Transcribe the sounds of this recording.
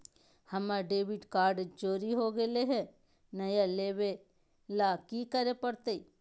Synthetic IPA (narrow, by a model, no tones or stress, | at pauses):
hɐmaɖeːʋɪɖkaːɾɖd͡ʒoːɾiɦoɡeleɦɛ | nɐjaleːʋe | lakikəɾepɐɽt̪e